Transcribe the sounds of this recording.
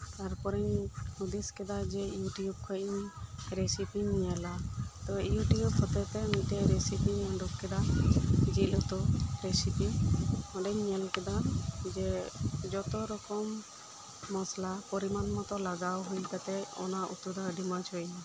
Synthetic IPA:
t̪aɾpɔɾɛɲud̪iskɛd̪ad͡ʒɛijuʈijub̚kʰɔjiɲɾɛsipiɲɲɛlat̪ɔijuʈijub̚kʰɔt̪ɛt̪ɛmiʈɛɾɛsipiɲɔɳɖukkɛd̪ad͡ʒilut̪ɔɾesipiɔ̃ɳɖɛɲɲɛlkɛd̪ad͡ʒɛd͡ʒɔt̪ɔɾɔkɔmː | ɔslapɔɾimanmɔt̪ɔlaɡawɦujɡat̪ɛɔ̰naʔut̪ud̪ɔɖimat͡ʃʰɔj

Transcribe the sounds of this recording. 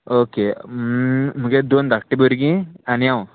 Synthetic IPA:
oːke | m̤uɡed̪ond̪ʱak̚ʈːiboɾɡĩanijaw̃

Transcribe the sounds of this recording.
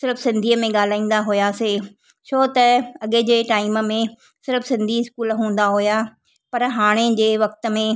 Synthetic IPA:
sɪɾəfsɪ̃nd̪ʱiːəmẽɠaːl̤aːĩːn̆d̪aɦʊjaseː | t͡ɕʰoːt̪ɐɐɠed͡ʑeːʈaːiɪmə̆mẽ | sɪɾəfsɪ̃nd̪ʱiɪskuːlɦũːn̆d̪aɦʊja | pɐɾɦaːɽ̃ed͡ʑeːʋɐkt̪ə̆mẽ

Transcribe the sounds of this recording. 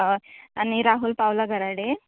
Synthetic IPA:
aniɾaɦulpawlaɡɐɾaɽe

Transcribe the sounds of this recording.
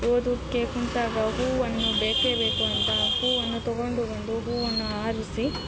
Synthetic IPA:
oːd̪ukːekuɳt̪aːɡɐɦuːɐnɐnubeːkeːbe̞ːkuɐnt̪ɐhuːʋɐnːut̪ɔɡoɳɖuɡoɳd̪uɦuːɐnːuaːɾusi

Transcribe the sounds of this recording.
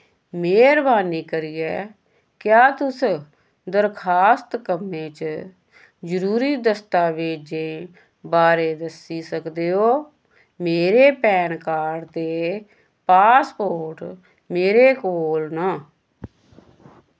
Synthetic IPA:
meːɾbaːniːkəɾiːɛː | kjaːt̪ʊs | d̪əɾkʰaːst̪kəmẽːt͡ʃ | d͡ʒəɾuːɾiːd̪əst̪aːʋeːd͡ʒẽː | baːɾeːd̪əsiːsəkd̪eːɦoː | meːɾeːpɛːnkaːɖt̪eː | paːspoːɾʈ | meːɾeːkoːlnãː

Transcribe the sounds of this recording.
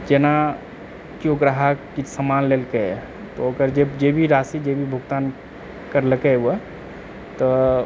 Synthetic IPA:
d͡ʒena | kioɡɾaɦakisəmanlelkə | t̪ɔokəɾd͡ʒebd͡ʒebʱiɾasid͡ʒebʱibʱuɡt̪an | kəɾləkɛə | t̪ɔ

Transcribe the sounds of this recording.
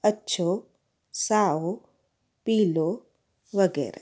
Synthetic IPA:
ətːʃʰo | saːo | piːlo | ʋəɡɛ̰ːɾa̰

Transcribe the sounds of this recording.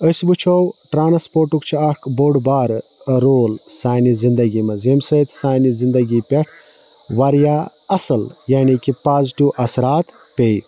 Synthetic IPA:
əsbut͡ʃʰowʈɾaːnspoːɾʈukt͡ʃʰiɐkboɖbaːɾ | ɾoːlsaːnizind̪ɐɡimɐzemsət̪ʰsaːnizind̪ɐɡipʲeʈʰ | ʋɐɾja | ɐsɐl | jaːnikipaːzʈuʔɐsɾaːt̪ | pʲej

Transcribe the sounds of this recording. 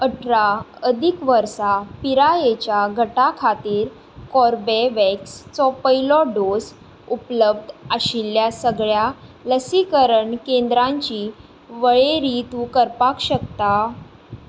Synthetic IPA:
əʈʰɾaəd̪ʱikʋəɾsapiɾajet͡ɕjaɡʱəʈakʰat̪iːɾ | kɔɾbeʋɛkst͡sɔpəjlɔɖos | upləb̚d̪ʱəɕiljasəɡɭjaləsikəɾəɳkẽnd̪ɾãɲt͡ɕiː | ʋəɭeɾit̪ũkəɾpakɕəkt̪a

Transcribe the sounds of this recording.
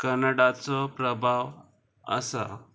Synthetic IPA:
kəɾnəɽat͡sɔpɾəbʱaʋ | ə̰sa̰

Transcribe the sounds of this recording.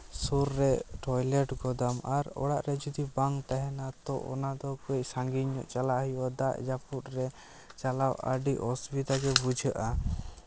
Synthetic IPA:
suɾːɛʈʰɔjlɛʈɡɔd̪amaɾɔ̰ɽaʔɾɛd͡ʒud̪ibaŋt̪aɦɛnat̪ɔʔɔ̰nad̪ɔkɛc̚saŋɡiɲɔʔt͡ʃalaʔhijɔd̪aʔd͡ʒaput̪ɾɛ | t͡ʃalawə̰ɖiʔɔsbit̪aɡɛbud͡ʒʱəʔa

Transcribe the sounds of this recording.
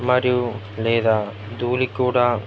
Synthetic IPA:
mɐɾiju | leːd̪aː | d̪uːlikːuːɽa

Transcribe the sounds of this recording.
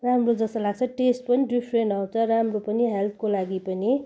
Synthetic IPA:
ramrod͡zʌsʌlaɡ̚t͡sʰʌʈesʈpʌniɖipʰrenʈaw̃t͡sʰʌɾamropʌniɦelt̪ʰkolaɡipʌni

